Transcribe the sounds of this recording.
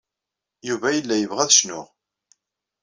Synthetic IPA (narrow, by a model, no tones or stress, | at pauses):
juvæjəlːæjəvʁæðʃnʊ̰ʁ